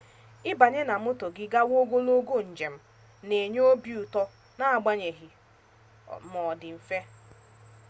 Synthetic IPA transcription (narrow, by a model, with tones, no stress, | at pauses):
ɪ˦ba˨ɲe˦na˨mʊ˦to˨ɡɪ˦ɡa˦wo˦ɡo˦lo˦ɡo˦n̩˨d͡ʒe˨m̩˦ | ne˨ɲ˦o˦bi˨u˨tɔ˦ | na˦a˨ɡ͡ba˦ɲe˨ɦi˨ | mɔ˨dɪ˨m̩˨fe˦